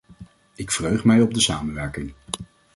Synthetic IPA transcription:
ɪkfrøɥχmɛjɔb̚dəsaːmənʋɛɹkɪŋ

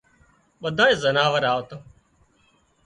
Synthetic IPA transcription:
ɓəd̪ʱãːeːzənaːʋəɾaːʋt̪o

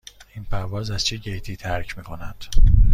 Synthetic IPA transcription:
inpʰæɾvɒːzæz̥t͡ʃʰeɟejt̪ʰiːt̪ʰæɾcʰmiːkʰo̞nænd̪̥

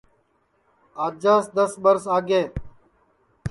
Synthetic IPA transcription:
aːd͡ʒəsd̪əsbəɾsaːɡeː

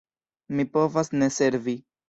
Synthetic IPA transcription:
mipo̞vasne̞se̞ɾvi

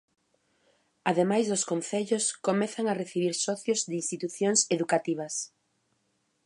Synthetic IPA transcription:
aðemajzðʊskon̟θeʎʊskomɛθaŋareθiβiɾsɔθjozðinst̪it̪uθjoŋseðukat̪iβ̞ɐs

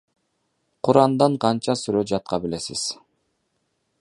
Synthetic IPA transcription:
qʰʊɾɑnd̪ɑɴqʰɑnt͡ʃɑsyɾød͡ʒɑt̪̚qɑbile̞sɪ̰z̥

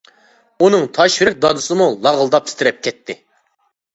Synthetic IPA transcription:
unɨŋt̪ʰɑʃvɾɪk̚ʲd̪ɑd̪ɨsɨmulˠɑʁəlˠd̪ɑp̚t̪ʰɪ̥t̪ʰɪɾɛp̚kʲʰɛt̪ʰːɪ

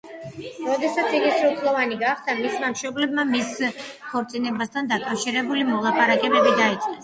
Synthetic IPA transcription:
ɾɔd̪ɛsat̪sʰiɡisɾut̪ʰlˠɔvaniɡaχd̪amismamʃɔblɛb̚mamis | kʰɔɾt̪sʼinɛbast̪ʰand̪akʼafʃiɾɛbulimɔlˠapʼaɾakʼɛbɛbid̪ait̪sʼqʼɛs

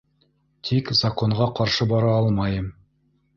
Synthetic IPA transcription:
t̪ʰikzako̞ɴʁɑqɑɾʃɤbɑɾɑɑlˠmɑjɤm

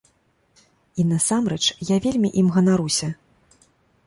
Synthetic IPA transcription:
inɐsamɾɛt͡ʂjavʲelʲmʲiʔimɣɐnaɾusʲɐ

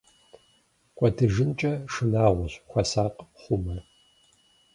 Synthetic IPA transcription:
kʷʼɔdɨʒɨnt͡ʃʼɐʂɨnaːʁʷʊɕxʷɐsaːqχʷʊmɐ

